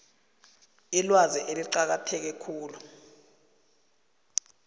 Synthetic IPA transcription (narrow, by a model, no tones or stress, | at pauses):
ilwaziʔeliǃak̬atʰɛk̬ɛkʰuːlu